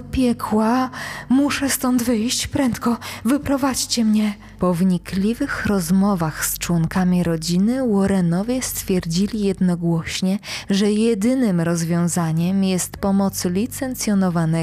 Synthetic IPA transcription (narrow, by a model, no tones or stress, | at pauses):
pʲjɛkʰwamuʂɛst̪ɔnd̪vɘjɕt͡ɕpɾɛnt̪kɔvɘpɾɔvat͡ɕt͡ɕɛmɲɛ | pɔvɲiklʲivɘxɾɔzmɔvaxst͡ʂwɔŋkamʲiɾɔd͡ʑinɘwɔɾɛnɔvʲjɛst̪fʲjɛɾd͡ʑilʲijɛd̪nɔɡwɔɕɲɛʐɛjɛd̪ɘnɘmɾɔzvʲjɔ̃w̃zaɲɛmjɛst̪pɔmɔt̪slʲit̪sɛnt̪sʲjɔnɔvanɛ